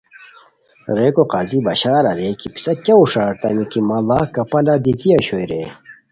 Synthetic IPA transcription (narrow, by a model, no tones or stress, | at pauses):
ɾekoqaːzibɐɕaːɾɐɾekipi̥sɐkɐuʂaːɾt̪ɐ̰nikimɐlakɐpɐlad̪it̪iɐɕojɾe